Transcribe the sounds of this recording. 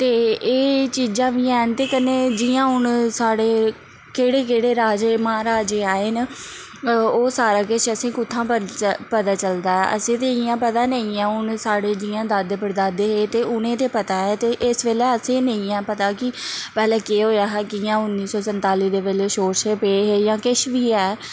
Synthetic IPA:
t̪eːeːt͡ʃiːd͡ʒãːʋiːaːnt̪eːkəneːd͡ʒɪːãːɦʊnsaːɽeː | keːɽeːkeːɽeːɾaːd͡ʒeːməãːɾaːd͡ʒeːaːeːn | oːsaːɾaːkɪʃəsĩːkʊt̪ʰːãːpəpət̪aːt͡ʃəld̪aːɦɛ̰ːʔə̰sẽːt̪eːɪjãːpət̪aːnəĩːãːʊnsaːɽeːd͡ʒiːãːd̪əd̪pəɾd̪aːd̪eːɦeːt̪eːʊnẽːt̪eːpət̪aːɛːt̪eːʔɪsʋeːlɛːəsẽːnəĩːɛ̃ːpət̪aːkɪpɛːlɛːkeːɦoːjaːɦɛːkɪjãːʊnːiːsɔːsənt̪aːliːd̪eːʋeːleːʃoːɾseːpeːɦeːjãːkɪʃʋiːɛː

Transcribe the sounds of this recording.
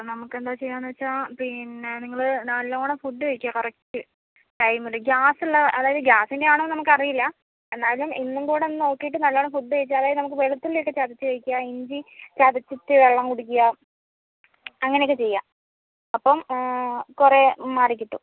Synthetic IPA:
nɐmukːe̞nd̪aːt͡ɕe̞jːaːnːuʋɐt͡ɕːaːpinːeniŋːɐɭɨnɐlːoːɳɐmfuɖːɨɐjkʲːujakorɐk̚ʈːɨ | ʈɐjmuluɡʲaːsiɭːɐʔɐðaːjɐðɨɡʲaːsindeaːɳomːnɐmukːɐrijilːɐ | e̞nːaːjluminːumkoːɽenːɨno̞ːkːijiʈ̬ːɨnɐlːoːɳɐmfuɖːɨɐjit͡ɕːɨɐðaːjɐðɨnɐmuk̬ːɨʋeɭut̪ːilokːet͡ɕaːd̪it͡ɕːɨkɐɻikʲːujaiɲd͡ʑit͡ɕaːd̪it͡ɕːitːɨʋeɭːɐmkuɽukʲːuja | ɐŋːɐnejkːɨt͡ɕe̞jːa̰ː | ɐpːɐm | kuremaːrikʲːiʈːṵ

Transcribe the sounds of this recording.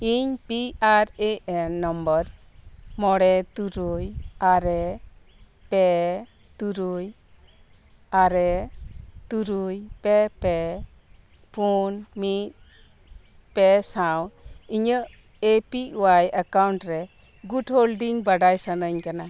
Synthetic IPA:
iɲpiaɾeʔɛnːɔmbɔɾ | mɔɽɛt̪uɾujaɾɛ | pɛ | t̪uɾuj | aɾɛ | t̪uɾujpɛpɛ | pʰunmit̪̚ | pɛsaw̃iɲəʔ | epiʔwajakawɳʈɾɛ | ɡuʈɦolɖiŋbaɖajsanəɲkana

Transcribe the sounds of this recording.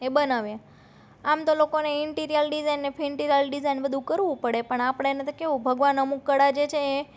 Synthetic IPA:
ebənaʋja | amt̪olokoneɪɳʈiɾijəlɖizajnːefʰiɳʈiɾijəlɖizajnbəd̪ʱũkəɾʋũpəɽepəɳapəɳ̃enet̪okeʋũbʱəɡʋanəmũkːəɽad͡ʒet͡ʃʰeː

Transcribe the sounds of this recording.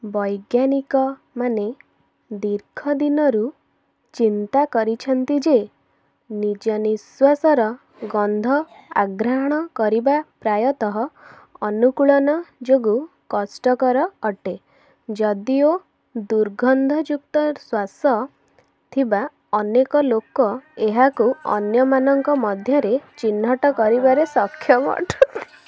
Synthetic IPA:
bɔjɡjanikɔ | mane | d̪iɾkʰɔd̪inɔɾu | t͡ʃint̪akɔɾit͡ʃʰɔnt̪id͡ʒe | nid͡ʒɔniswasɔɾɔ | ɡɔnd̪ʱɔa̰ɡɾaɦɔɽ̃ɔkɔɾibapɾajɔt̪ɔɦɔː | nukuɭɔnɔd͡ʒoɡu | kɔsʈɔkɔɾɔːʈe | d͡ʒɔd̪io | d̪uɾɡʱɔnd̪ʱɔd͡ʒuk̚t̪ɔswasɔ | t̪ʰiba | ɔnekɔlokɔeɦakuɔ̰njɔmanɔŋkɔmɔd̪ʱjɔɾet͡ʃinːɔʈɔkɔɾibaɾesɔkʰːjɔmɔ̰ʈʰut̪i

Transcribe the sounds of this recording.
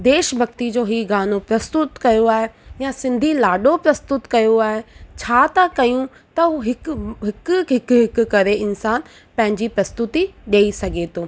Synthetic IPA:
d̪eːʃbʱɐk̚t̪id͡ʑoːɦiːɡaːnopɾɐst̪ʊt̪kɐjoaːɦejasɪ̃nd̪ʱilaːɖopɾɐst̪ʊt̪kɐjoaːɦet͡ɕʰaːt̪akɐjũ | t̪ɐuɦɪkɦɪkɦɪkɦɪkkɐɾeɪnsaːn | pɐ̃ɦɪ̃ɲd͡ʑipɾɐst̪ʊt̪iɗɐisɐɡʱet̪ʰoː

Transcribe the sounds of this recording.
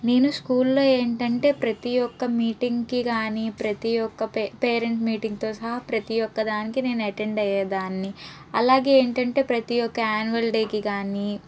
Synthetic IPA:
ne̞ːnuskuːllo̞ːe̞ːɳʈɐɳʈe̞ːpɾɐt̪ijɔkːɐmiːʈiŋɡkikaːnipɾɐt̪ijɔkːɐpeːɾeɳsmiːʈiŋɡt̪o̞ːsɐɦɐpɾɐt̪ijɔkːɐd̪aːnikine̞ːnuɐʈeɳɖɐjːaːd̪aːnːi | ɐlaːɡe̞ːeːɳʈɐɳʈe̞ːpɾɐt̪ijɔkːɐaːnuʋɐlʈiːkikaːni

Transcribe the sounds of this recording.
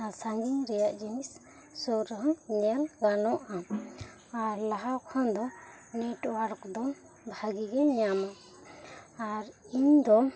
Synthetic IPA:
asaŋɡiŋɾɛjaʔd͡ʒinis | sɔɾɦɔŋnɛɾɡanɔʔa | aɾlaɦakʰɔnd̪ɔ | nɛʈwaɾkd̪ɔ | bʱaɡiɡɛɲama | aɾiɲd̪ɔ

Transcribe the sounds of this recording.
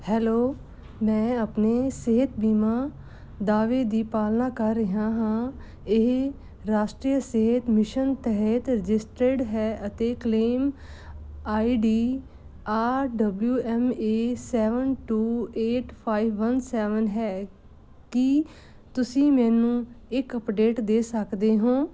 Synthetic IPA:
hɛːloː | mɛ̃ːəpneseɦət̪biːmãː | d̪aːʋed̪iːpaːlnaːkəɾːɪɦãɦãː | ɪɦ | ɾaːʃʈɾiːjəseɦət̪mɪʃənt̪ɛɦɛt̪ɾɪd͡ʒɪsʈɾeɖɦɛːʔət̪ekleːm | aːiːɖiː | aːɖəbljuːʔɛːmeːsɛːʋənʈuːeːʈpʰaːiʋːənsɛːʋənɦɛː | kɪ | t̪ʊsĩːmɛ̃ːnũːɪkəpɖeːʈd̪eːsəkd̪eːɦõː

